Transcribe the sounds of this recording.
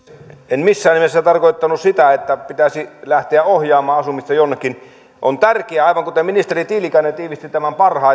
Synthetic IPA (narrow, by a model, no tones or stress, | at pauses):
enmisːæːnimesːæt̪ɑrkoˑit̪ːɑnussit̪æet̪ːæpit̪æsilæht̪eæohjɑːmˑɑːɑsumist̪ɑjonːekːin | ʔont̪ærkeæɑˑiʋɑŋkut̪eminist̪erit̪ilikænːet̪iːʋist̪it̪æmæmpɑrhɑˑ